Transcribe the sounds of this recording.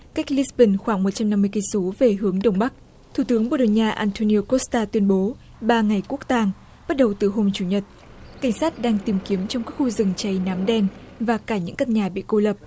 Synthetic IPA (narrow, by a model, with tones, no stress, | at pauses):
ka˦˥jk̟̚li˦˥sɓi˨˧˩nxwaː˧˩ŋmo˨˩t̚t͡ɕa˧mna˧mːɨ˧əki˧so˨˦ve˨˩ɦɨ˨˦əŋɗə˨˩wŋ͡mɓa˦˥k̚ | t̪ʰu˧˩t̪ɨ˨˦əŋɓo̰˧˩ɗə˨˩ɲaː˧ʔaː˧nt̪ʰo˧ni˧o˧ko˦˥st̪aː˧t̪wi˧ənɓo˨˦ | ɓaː˧ŋa˨˩jku˦˥ək̚t̪aː˧ŋ | ɓa˦˥t̚ɗə˨˩wt̪ɨ˨˩ɦo˧mt͡ɕu˧˩ɲə˨˩t̚ | ka˧˩jŋ̟saː˦˥t̚ɗaː˧ŋt̪i˨˩mki˨˦əmt͡ɕɔ˧wŋ͡mkaː˦˥k̚xu˧zɨ˨˩ŋt͡ɕa˧jna˨˦mɗɛ˧n | vaː˨˩kaː˧˩ɲɨ̰˧˥ŋkə˧˩n̚ɲaː˨˩ɓḭ˧˨ko˧lə˨˩p̚